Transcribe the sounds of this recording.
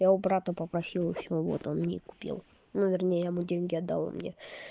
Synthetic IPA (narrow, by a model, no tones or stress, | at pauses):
jaʊbɾat̪əpəpɾɐsʲilˠɪɕʲːɪovo̰t̪o̰nmnʲeikʊ̥pʲḭlˠ | nuvʲɪrnʲejəjamudʲenʲɡʲɪɐd̪ːa̰lˠo̰mnʲe